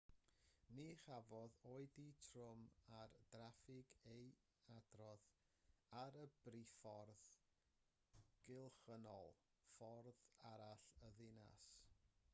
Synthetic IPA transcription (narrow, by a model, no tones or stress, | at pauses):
niχavɔðoːɨditʰrʊmard̥rafɪɡej | adrɔð | aɾəb̥rifɔrð | ɡ̥ɪlˠχənɔ̰lˠ | fɔrðaɾaɬəðɪna̰s